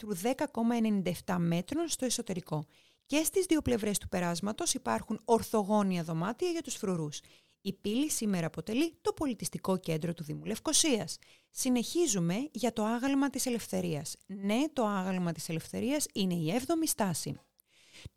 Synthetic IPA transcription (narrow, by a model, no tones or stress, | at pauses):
t̪ɾuðe̞kɐko̞mɐe̞ne̞nind̪ɐeft̪ɐme̞t̪ɾo̞nst̪o̞e̞so̞t̪e̞ɾiko̞ | ce̞st̪izðio̞ple̞vɾe̞st̪u̥pe̞ɾɐzmɐt̪o̞sipɐɾxuno̞ɾθo̞ɣo̞niɐðo̞mɐt̪iɐʝɐt̪usfɾuɾus | ipilisime̞ɾɐːpo̞t̪e̞lit̪o̞po̞lit̪ist̪iko̞ce̞nd̪ɾo̞t̪uðimule̞fko̞siɐs | sine̞çizume̞ʝɐt̪o̞ɐɣɐlmɐt̪ise̞le̞fθe̞ɾiɐsne̞t̪o̞ɐɣɐlmɐt̪i̥se̞le̞fθe̞ɾiɐsine̞ie̞vðo̞mist̪ɐsḭ